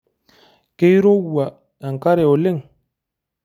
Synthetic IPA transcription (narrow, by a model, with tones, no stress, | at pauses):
ke˦jɾo˦wu˨a˨ | ja˨ŋ˨ka˦ɾe˨o˨le˦˨ŋ